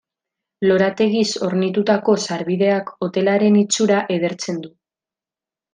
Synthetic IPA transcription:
lo̞ɾat̪e̞ɣiso̞ɾnit̪ut̪ako̞saɾβiðe̞ako̞t̪e̞laɾe̞nit͡suɾaʔe̞ðe̞ɾt͡se̞nd̪u

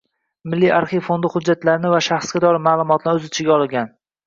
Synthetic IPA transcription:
mɪlːijʔaɾχifond̪ɪhʊd͡ʒːat̪laɾɪnɪvaʃaχsɡʲat̪ʰɒɾɪmaːlˠʊmɒt̪ʰlaɾɵzɪt͡ʃʰɪɡʲaɒlˠɪɡʲan

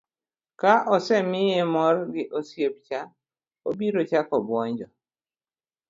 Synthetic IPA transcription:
kaʔɔsɛmɪjemɔrɡɪʔosjep̚t͡ʃa | obiɾot͡ʃakɔbwɔɲd͡ʒɔ

